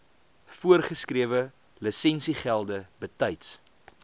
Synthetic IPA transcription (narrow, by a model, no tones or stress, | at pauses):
fuərχəskriəvə | ləsɛnsiχælˠdəbətɐjts